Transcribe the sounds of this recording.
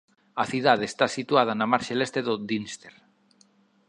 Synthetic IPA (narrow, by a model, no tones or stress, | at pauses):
aθiðað̞eːst̪asit̪wað̞anamaɾʃelest̪eðod̪inst̪eɾ